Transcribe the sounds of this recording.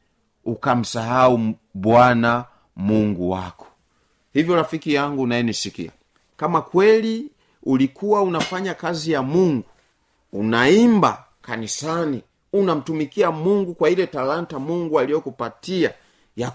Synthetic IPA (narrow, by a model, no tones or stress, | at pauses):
ukam̩saɦaubwana | muŋɡuwa̰kɔ̥ | hivjɔɾafikijaŋɡunaɛnisikḭa̰ | kamakwɛli | ulikʰuwaunafaɲakazijamuŋɡuː | naimba̰ | kanisani | unam̩tumikiamuŋɡukwailɛtalantamuŋɡualiɔkupatia | ja